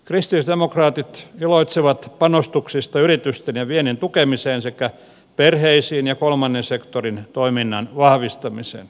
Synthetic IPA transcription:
krist̪ilisd̪emokrɑːt̪it̪iloit̪siʋɑt̪pɑnost̪uksist̪ɑyrit̪yst̪enjɑʋienent̪ukemiseːnsekæ | perheisiːnjɑkolmɑnːensekt̪orint̪oiminːɑnʋɑhʋist̪ɑmisḛːn

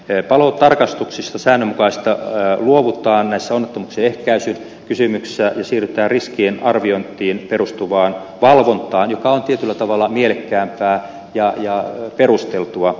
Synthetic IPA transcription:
pɑloːt̪ɑrkɑst̪uksist̪ɑsæːnːømukɑist̪ɑluoʋut̪ˑɑːnnæisːæonːet̪ːomukseehkæysyn | kysymykssæjɑsiːryt̪ˑæːrriskiːnɑrʋiont̪ːˑiːnperust̪uʋɑːn | ʋɑlʋont̪ˑɑːnjokɑont̪iet̪ylːæt̪ɑʋɑlːˑɑmielekːæːmpæː | jɑjɑperust̪elt̪uɑ

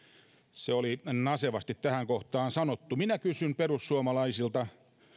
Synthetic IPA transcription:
seolinɑseʋɑst̪it̪t̪æhæŋkoht̪ɑːnsɑnot̪ːuminækysymperussuomɑlɑisilt̪ɑ

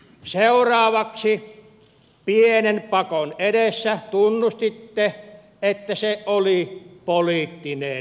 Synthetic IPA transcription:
seurɑːʋɑksi | pienenpɑkonedesːæt̪unːust̪it̪ːe | et̪ːæseʔolipoliːt̪ːine

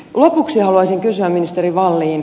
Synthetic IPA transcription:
lopuksihɑluɑˑsiŋkysyæmminist̪eriʋɑlːiːn

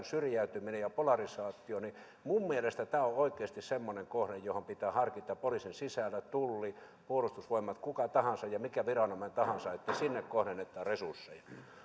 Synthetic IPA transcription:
nsyrjæyt̪yminejɑpolɑrisɑːt̪ːˑioni | mumːielest̪æt̪æːooikˑeːst̪issemːoneŋkohnejjohompit̪æːhɑrkit̪ːˑɑpolisinsisælːæt̪ulːi | puolust̪usʋoimːɑt̪kukɑt̪ɑhɑnsɑjjɑmikæʋirɑnoment̪ɑhɑnsɑet̪ːæsinːekkohɾenːet̪ːɑːresursːḛjɑ

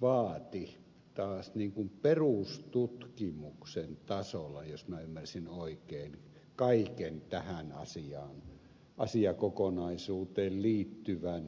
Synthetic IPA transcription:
ʋɑːt̪i | t̪ɑːsniːŋkumperust̪ut̪kimuksent̪ɑsolɑjosmiæymːærsinoˑikeːn | kɑikent̪æhænɑ̰siɑːn | ʔɑsiɑkokonɑisuːt̪eːlliːt̪ːyʋæn

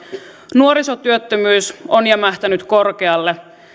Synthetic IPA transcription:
nuoɾisot̪yøt̪ːømyːsonjɑmæht̪ænyt̪ko̞rkeɑlːe

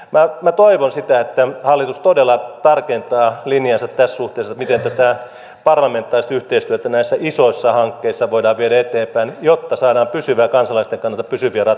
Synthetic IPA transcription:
mæmæt̪oiʋonsit̪æet̪ːæhɑlːit̪ust̪odelːɑt̪ɑrkent̪ɑːlinjɑsɑt̪t̪ːæssuht̪eisɑmit̪ent̪æt̪æ | pɑrlɑment̪ːˑɑːrist̪yht̪eist̪yøt̪ænæisːæʔisoisːɑhɑŋkːeisːɑʋoidɑːʋʋieɾæet̪eːmpæinjot̪ːɑsɑːdɑːmpysyʋæːkɑnsɑlɑist̪eŋkɑnːɑlt̪ɑpysyʋiærɑ

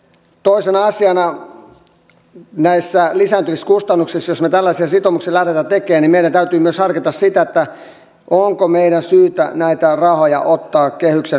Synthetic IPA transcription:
t̪oisenɑɑsiɑnɑ | næisːælisæːnt̪yʋiskust̪ɑnːuksisjosmet̪ælːæsiɑsit̪omuksilæret̪æt̪ekeːnimeiɾænt̪æyt̪yːmyøshɑrkit̪ɑssit̪æet̪ːæ | ʔoŋkomeiɾænsyːt̪æ̰næit̪ærɑhojɑ̰ʔot̪ːɑːkkehykse

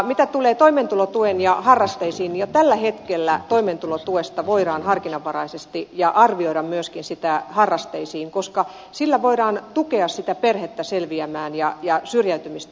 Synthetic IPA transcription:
mit̪æt̪uleːt̪oiment̪ulot̪uenjɑhɑrːɑst̪eisiːnjot̪ælːæhet̪kelːæt̪oiment̪ulot̪uest̪ɑʋoiɾɑːnhɑrkinɑʋːɑrɑisest̪ijɑʔɑrʋioiɾɑmmyøskinsit̪æhɑrːɑst̪eisiːŋkoskɑ | silːæʋoiɾɑːnt̪ukeɑssit̪æperhet̪ːæselʋiæmæːnjɑjɑsyrjæyt̪ymist̪æ

